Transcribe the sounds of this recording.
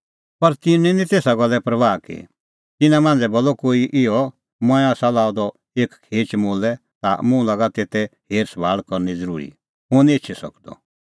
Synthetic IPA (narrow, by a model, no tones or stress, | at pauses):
pɐɾt̪ɪnɛ̃nĩt̪eːsaɡɔlːɛpɾɐʋaːkḛ | t̪ɪnãmãːn̆d͡zɛbɔlːɔkoːiʔɪɔ | mɔ̃ɛ̃aːsalaːɔd̪ɔ | eːkkʰeːt͡ʃmoːlɛ | t̪a̰mũlaɡat̪eːt̪ɛheːɾsbʱaːɭkɔɾnid͡zəɾṵːɾḭ | ɦʊ̃nĩetːt͡ʃʰɛsɔ̰kd̪ɔ̰